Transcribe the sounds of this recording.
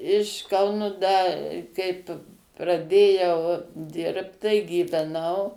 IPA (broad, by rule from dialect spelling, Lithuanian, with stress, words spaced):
ɪʃ ˈkɐʊnʊ ˈdɐ ˈkɐɪp prɐˈdʲeːjɛʊ ˈdʲɪrpt tɐɪ ɡʲiːʋʲɛˈnɐʊ